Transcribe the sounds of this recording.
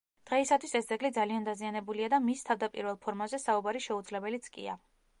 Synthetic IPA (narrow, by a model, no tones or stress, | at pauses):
d̪̥ʁɛisat̪ʰwisɛsd̪zɛɡlid̪zaliand̪azianɛbuliad̪amist̪ʰavd̪apʼḭɾvɛlˠpʰɔɾmazɛsaubaɾiʃɛud̪zlɛbɛlit̪sʰkʼḭa̰